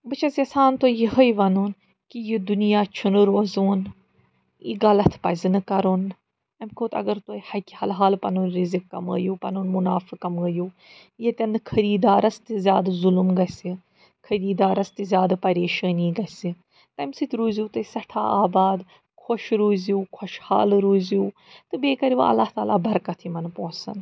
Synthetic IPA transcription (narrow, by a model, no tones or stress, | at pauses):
bɨt͡ʃʰɐsɐsaːnt̪ojiɦɐjʋɐnuːn | kijid̪unijaːt͡ʃʰunɨɾoːzuːn | ḭɡɐlɐt̪ʰpɐzʲinɨkɐɾuːn | ɐmkoːt̪ɐ̰ɡɐɾt̪oːjhɐkʲihɐ̰lɦaːlpɐnuːnɾizikːɐ̰mə̰ːjuːpɐ̰nuːnmunaːfikɐməːjuː | jɐt̪ʲɐnd̪kʰɐɾiːd̪aːɾɐst̪izʲjaːd̪zulumɡɐsi | kʰɐɾiːd̪aːɾɐst̪izʲjaːd̪pɐɾeːʃaːniːɡɐsi | t̪ɐmsit̪ʲʰɾuːzuːt̪ɐsɐʈʰa̰ːaːbaːd̪ | kʰoʃɾuːzuːkʰoʃha̰ːlɾuːzuː | t̪ɨbeːkɐɾiʋɐ̰ɐ̰lːaːht̪aːlaːbɐɾkɐt̪ʰimɐnpõːsɐ̰n